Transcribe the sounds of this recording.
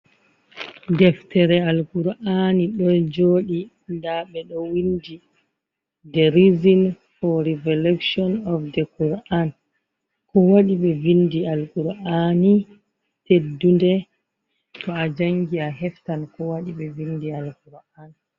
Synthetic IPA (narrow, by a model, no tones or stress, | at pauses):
dɛftɛɾɛalɡuɾʔaniɗɔnd͡ʒoːɗi | ndaɓɛɗɔwindi | dɛɾizin | fɔɾivɔlɛkʃɔnɔfdɛkuɾan | kɔwaɗiɓɛvindialɡuɾʔani | tedːundɛ | tɔad͡ʒaŋɡiaɦɛftankɔwaɗiɓɛvindialɡuɾan